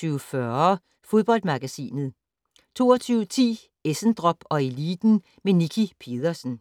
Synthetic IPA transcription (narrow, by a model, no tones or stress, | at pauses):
yːʊfɶɐ | fo̝ð̞ˠb̥ɒ̽l̰d̥mɑ̈ɡ̥æsḭːnð̩ˠ | t͡sʰo̝̰ːɒt͡sʰyːʊt͡sʰḭː | esn̩d̥ʁɒ̽b̥ɒ̽e̝liːd̥n̩ | menikʰipʰe̝̰ðˠɐsn̩